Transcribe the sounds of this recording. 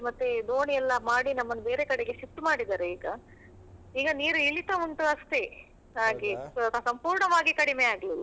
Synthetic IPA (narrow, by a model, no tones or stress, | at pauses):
mɐt̪ːed̪oːɳiɛlːɐmaːɽinɐmːɐnbe̞ːɾe̞kɐɽeɡeʃif̚ʈmaːɽid̪aːɾeiːɡɐ | iːɡɐniːɾuiɭit̪ɐuɳʈuɐst̪e | ɦaːɡesosɐmpuːɾɳɐʋaːɡikɐɽimeaːɡli